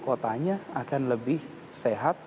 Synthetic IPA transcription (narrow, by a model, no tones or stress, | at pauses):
kot̪aɲaakanləbɪh | seɦat̪̚